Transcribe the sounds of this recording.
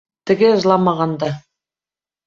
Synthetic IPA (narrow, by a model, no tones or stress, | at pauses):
t̪ɘ̆ɡɘɤ̆zlˠɑmɑʁɑnd̪ɑ